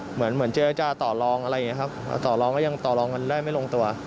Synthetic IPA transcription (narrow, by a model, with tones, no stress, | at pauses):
mɯ˩˦ənmɯ˩˦ənt͡ɕa˧ɾa˧t͡ɕaː˧t̪ɔː˨˩lɔː˧ŋʔa˧ɾa˧jŋi˦˥kʰa˦˥p̚a̰˧˩t̪ɔː˨˩lɔː˧ŋkɔ˥˩ja˧ŋt̪ɔː˨˩lɔː˧ŋka˧ndaː˥˩jma˥˩jlo˧ŋt̪u˧ɐ